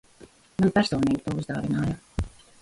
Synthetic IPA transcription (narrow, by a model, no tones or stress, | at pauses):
manpæɾsɔːniːt̪̚pauzd̪ɑːvinɑːja